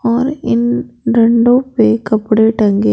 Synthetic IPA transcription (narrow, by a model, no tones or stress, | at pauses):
ɔːɾɪnɾɛɳɖoːpeːkɐpːɯɽeʈɐŋɡe